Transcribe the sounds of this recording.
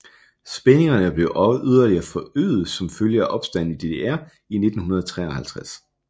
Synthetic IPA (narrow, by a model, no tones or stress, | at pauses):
sb̥ene̝ŋɐnəb̥le̝ʊʔɒyð̞ˠɐliɐfɒ̽ø̰ːð̩ˠsɒ̽mføljəæʔɒ̽b̥sd̥æn̰̩id̥e̝de̝æɐ̰ | ine̝d̥n̩hunɐð̞ˠɐt͡sʰʁɛ̰ːɐhælt͡sʰʁas